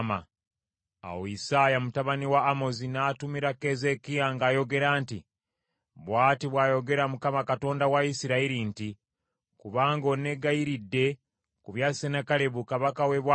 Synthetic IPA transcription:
ma | a̰woisaːjamutaβaniwaːmo̞zinaːtumiɾake̞ze̞kijaŋɡaːjo̞ɡe̞ɾaːnti | βwaːtiβwaːjo̞ɡe̞ɾamukamakato̞ːndawaisiɾaiɾinti | kuβaːŋɡo̞ne̞ɡajiɾidːe̞ | kuβjaːsenakale̞βukaβakawe̞βwa

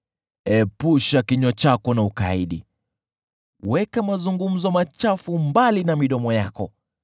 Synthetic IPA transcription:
ɛpuʃakiɲɔt͡ʃakɔnauka̰iɗi | wɛkamazuŋɡum̩zɔmat͡ʃafumbalinamiɗɔmɔjakɔ

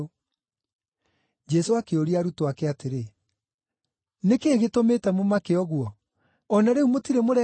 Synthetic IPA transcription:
d͡ʒɛsoakeoɾiaɾutoakɛateɾe | nekeːɣetometɛmomakeɔɣwɔ | ɔnaɾeumotiɾemoɾɛ

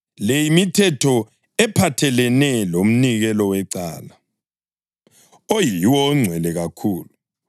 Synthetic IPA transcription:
lejimitʰɛtʰɔ | ɛpʰatʰɛlɛnɛlom̩niɣɛlɔwɛǀa̰ːla | ojiwɔŋ͡ǀʱwɛlɛɣakʰuːlu

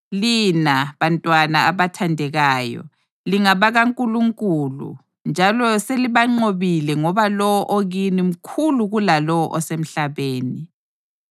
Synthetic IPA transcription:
linaβantʼwanaaβatʰandʱɛɣaːjɔ̰ | liŋaβaɣaŋkʼuluŋkʼulṵ | nd͡ʒʱalɔseliβaŋ͡ǃoβilɛŋɔβalɔwɔʔoɣinim̩kʰuluɣulalɔwɔʔɔsem̩ɬaβeːni

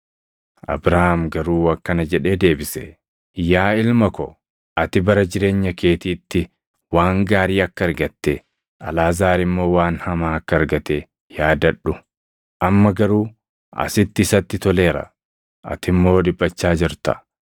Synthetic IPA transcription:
ʔɐ̰bɾahamɡɐɾuːwɐkːɐnɐd͡ʒɛᶑe̞ːd̪e̞ːbɪsɛ | jaːɪlmɐkɔ | ʔɐt̪ɪbɐɾɐd͡ʒɪɾe̞ːɲːɐke̞ːt̪iːt̪ːɪ | waːŋɡaːɾiːɐkːɐɐɾɡɐt̪ːɛ | ɐlaːzaːɾɪmːo̞ːwaːnhɐmaːɐkːɐɐɾɡɐt̪e | jaːd̪ɐᶑʊ | ʔɐmːɐɡɐɾuː | ʔɐ̰sɪt̪ːɪsɐt̪ːɪt̪ɔle̞ːɾɐ̰ | ʔɐ̰t̪ɪmːo̞ːd̪ɪbʼːɐt͡ʃːaːd͡ʒɪɾt̪ɐ̰

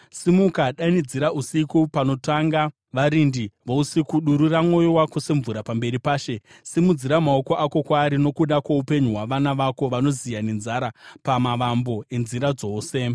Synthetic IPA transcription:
simukaɗanid͡ziɾaʔusikupano̞taŋɡa | ʋaɾindiʋousikuɗuɾuramŋo̞jowakuseɱvuɾapambe̞ɾipaːʃe̞ | simud͡ziɾamaoko̞ʔako̞kwaːɾino̞kuɗakwoupe̞ɲuɦwaʋanaʋako̞ʋano̞zijane̞nzaɾapamaʋambo̞e̞nziɾad͡zo̞ːse̞

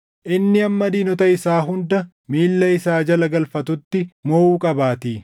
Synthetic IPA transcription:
ʔɪnːɪɐmːɐd̪iːnɔt̪ɐɪsaːɦʊnd̪ɐ | miːlːɐɪsaːd͡ʒɐlɐɡɐlfɐt̪ʊt̪ːɪmoʔuːkʼɐbaːt̪iː

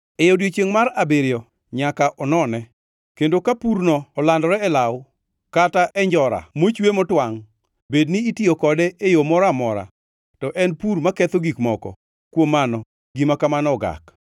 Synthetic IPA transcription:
ejodjet͡ʃeŋmaɾabeɾjɔ | ɲakaʔɔnɔnɛ | kendokapuɾnɔɔlandɔɾɛɛlaw | kataʔɛɲd͡ʒɔɾa̰mot͡ʃwemɔtwaŋ | bedniːtiokɔdɛejomɔɾamɔɾa̰ | tɔʔɛnpuɾmakɛt̪oɡikmɔkɔ̰ | kwomːanɔ | ɡimakamanɔɡa̰k

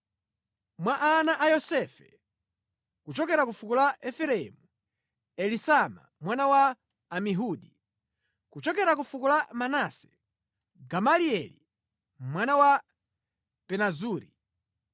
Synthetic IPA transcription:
mwaʔanaʔajɔsɛfɛ | kut͡ʃɔkɛɾakufukulaɛfɛɾɛɛmu | ɛlisama̰mwanawaː | miɦuɗi | kut͡ʃɔkɛɾakufukulamanasɛ̥ | ɡamaliɛlḭ | mwanawa | pɛnazuːɾi

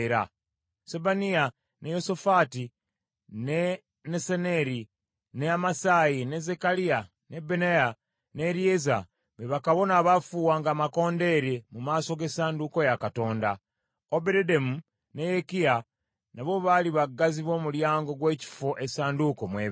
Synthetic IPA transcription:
ɾa̰ | sebanija | ne̞jo̞sofati | ne | nesene̞ɾi | ne̞amasaːjine̞ze̞kalia | ne̞beneja | ne̞ɾieza | βeβakaβo̞naβafuːwaːŋɡaːmako̞ːnde̞ɾemumaːso̞ɡe̞saːndukojakato̞ːnda | obeɾedemu | ne̞jekija | naβo̞βaliβaɡːaziβo̞ːmuljaːŋɡo̞ɡwe̞ːci̥foʔesaːnduko̞mweːβ

